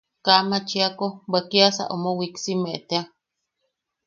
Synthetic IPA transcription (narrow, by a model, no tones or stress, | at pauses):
kamat͡ʃiakobakiasa̰ʔo̰mowiksimeʔt̪ea